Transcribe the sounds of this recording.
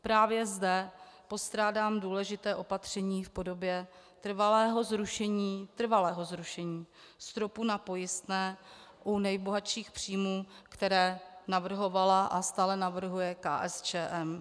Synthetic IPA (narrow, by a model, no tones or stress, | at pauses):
pɾaːvjɛzdɛ | po̞st̪ɾaːdaːmduːlɛʒɪt̪ɛːʔo̞pat̪r̝̥ɛɲiːfpo̞do̞bjɛ | t̪r̩valɛːɦo̞zɾuʃɛɲiːt̪r̩valɛːɦo̞zɾuʃɛɲiːst̪ɾo̞punapo̞jɪst̪nɛːʔunɛjbo̞ɦaʃiːxpr̥iːmuːkt̪ɛɾɛːnavr̩ɦo̞valaʔast̪aːlɛnavr̩ɦujɛka̰ːʔɛst͡ʃɛːʔɛm